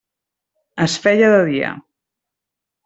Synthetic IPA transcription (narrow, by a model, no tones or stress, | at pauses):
əsfɛʎəðəðiə̰